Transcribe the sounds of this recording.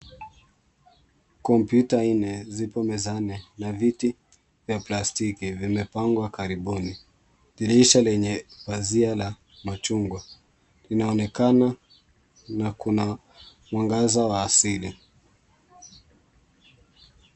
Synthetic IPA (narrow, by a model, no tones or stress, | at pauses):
kɔmpjutainɛzipɔmɛzanɛnaviti | vjaplastikivimɛpaŋɡwakaɾiɓuni | viliiʃalɛɲɛpaziala | mat͡ʃuŋɡwa | linaɔnɛkana | nakuna | mwaŋɡazawaːsili